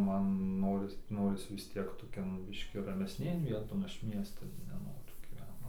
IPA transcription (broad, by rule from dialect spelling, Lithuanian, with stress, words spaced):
ˈmɐn ˈnoːrʲɪs ˈnoːrʲɪs ʋʲɪs ˈtʲiɛk toːˈkʲoːn ˈbʲɪʃʲkʲiː rɐmʲɛsʲˈnʲeːn ˈʋʲiɛtoːn ˈɐʃ ˈmʲiɛstɐn nʲɛˈnoːrʲʊ ɡʲiːˈʋʲɛnt